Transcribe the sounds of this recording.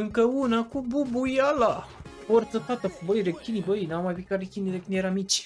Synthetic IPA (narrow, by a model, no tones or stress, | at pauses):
ɨŋkəunakububujalafoɾt̪səfat̪əfubəjɾekkʲːinibəjnawmajpikaɾekʲinʲiɾeknʲeɾamit͡ʃʲ